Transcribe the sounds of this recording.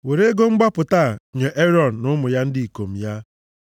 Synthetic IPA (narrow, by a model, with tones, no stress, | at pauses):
we˨ɾe˦ɡo˦ŋ͡m̩˦ɡ͡ba˦pʊ˨ta˦˨ɲe˨ʔe˦ɾɔ˦˨n̩˨nʊ˦mʊ˨ja˦n̩˦di˦i˨ko˨m̩˨ja˦